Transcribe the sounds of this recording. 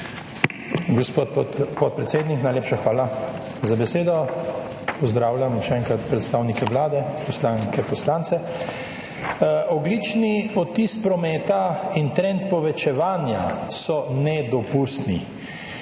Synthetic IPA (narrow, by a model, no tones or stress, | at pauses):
ɡ | pɔt̪̚pɾɛt̪seːd̪niknajleːpʃaxʋaːla | zabɛseːd̪ɔ | pɔzd̪ɾaːwljamʃɛɛŋkɾat̪pɾɛt̪st̪aːwnikɛʋlaːd̪ɛpɔslaŋkɛpɔslant̪sɛ | ɔɡlit͡ʃniɔt̪ispɾɔmɛːt̪aint̪ɾɛ̃nt̪pɔʋɛt͡ʃɛʋaːnja̰sɔnɛd̪ɔpust̪nḭ